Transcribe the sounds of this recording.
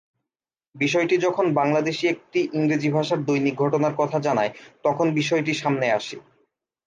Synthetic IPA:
biʃɔeʈid͡ʑɔkʰonbaŋlad̪eʃiek̚ʈiʔiŋɾed͡ʑibʱaʃaɾd̪ujniɡʱoʈonaɾkɔt̪ʰad͡ʑanaet̪ɔkʰonbiʃɔeʈ̬iʃamneaʃe

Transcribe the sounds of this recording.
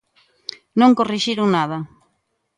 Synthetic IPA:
nõŋkoriʃiɾʊŋnaðɐ

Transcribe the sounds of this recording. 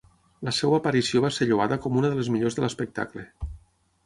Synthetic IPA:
ləsewaːpaɾisioβaseʎoβaðəkɔmunəðəlezmiʎozðələspək̚t̪a̰kle

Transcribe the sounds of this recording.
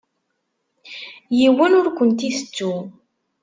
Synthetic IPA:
jiwənʊɾkʷənt̪iθə̥t͡sːu

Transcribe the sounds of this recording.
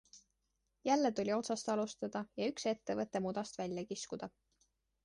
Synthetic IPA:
jælːet̪ulʲio̞t̪sɑst̪ɑlust̪ɑd̪̥ɑjɑykse̞t̪ːe̞vɤt̪ːˑe̞mud̪̥ɑst̪vælʲjɑkiskud̪̥ɑ

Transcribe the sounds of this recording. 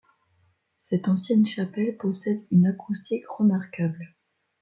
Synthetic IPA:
sɛt̪ɑ̃sjɛnʃapɛlpɔsɛd̪ynakust̪ikʁəmaʁkabl

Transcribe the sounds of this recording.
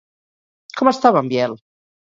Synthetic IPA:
kʰomest̪aβambjɛl

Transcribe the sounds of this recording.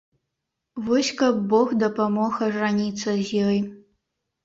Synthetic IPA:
vɔsʲkɐbːoɣd̪ɐpamɔxɐʐanʲit̪t͡s̪ːɐzʲjɔj

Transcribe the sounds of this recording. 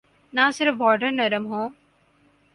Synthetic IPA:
nãːsɪɾəfbɔːɾɖəɾnɐɾəmɦõː

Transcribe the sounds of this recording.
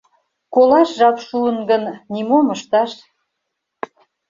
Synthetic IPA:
kolɑʃʒɑkʃuənɡənnimoməʃt̪ɑʃ

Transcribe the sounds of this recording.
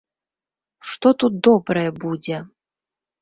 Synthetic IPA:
ʂt̪ɔt̪ut̪̚d̪ɔbɾɐjɛbud͡zʲɛ

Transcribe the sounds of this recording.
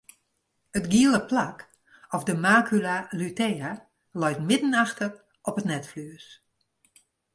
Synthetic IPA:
ətɡiəlˠəplak | ɔfdəmaːkʰylalytɛːa | lɔjtmɪdn̩axtər | ɔpətnɛtflyəs

